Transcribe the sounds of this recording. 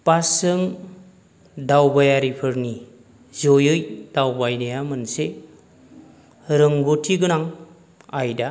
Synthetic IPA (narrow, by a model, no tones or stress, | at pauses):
pasɯŋ | dawbajaɾipʰɯɾni | zojɯjd̥awbajnajamɯnse | ɾɯŋɡotʰiɡɯnaŋ | ajda